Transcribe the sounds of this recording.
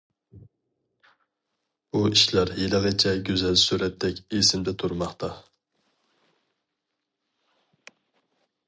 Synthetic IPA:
b̥uiʃlɑɾjelˠəʁət͡ʃʰɛɡʲøzɛlsuɾɛt̪d̪ɛkʲesɪmd̪ɛt̪ʰuɾmɑχt̪ɑ

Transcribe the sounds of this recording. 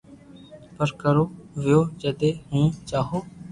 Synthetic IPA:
pəɾkəɾoːʋɪjoːd͡ʒəd̪eːhũːt͡ʃaːɦoː

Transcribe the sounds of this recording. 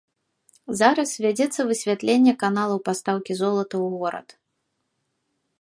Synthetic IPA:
zaɾɐsvʲad͡zʲɛt̪sːɐvɨsʲvʲat̪lʲenʲːɛkanalˠɐwpast̪awkʲizɔlˠɐt̪ɐwɣɔɾɐ̰t̪

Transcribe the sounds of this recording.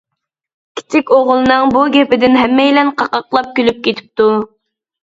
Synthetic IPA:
kʲʰi̥t͡ʃʰɪkʲoʁlˠɨnɨŋbuɡʲɛpɪd̪ɪnɦɛmːɛjlɛnqʰɑqɑqlˠɑp̚kʲølyp̚kʲet̪ʰɪ̥p̚t̪u

